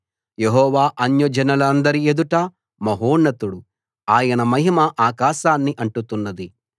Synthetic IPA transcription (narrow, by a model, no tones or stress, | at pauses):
jeɦɔːʋaːʔɐnjɐd͡ʒɐnɐlɐnd̪ɐɾied̪uʈɐ | mɐɦoːnːɐt̪uɽu | aːjɐnɐmɐɦimɐʔaːkaːʃaːnːiʔɐɳʈut̪unːɐd̪i